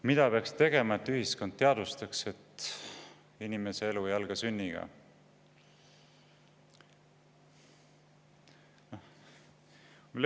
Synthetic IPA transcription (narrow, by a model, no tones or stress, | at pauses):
mid̪̥ɑpeɑkst̪e̞ɡ̥e̞mɑe̞t̪ːyɦiskond̪̥̚t̪ːeɑd̪̥ust̪ɑkse̞t̪ː | inime̞seeluejɑlɡ̥ɑsynʲːiɡ̥ɑ̰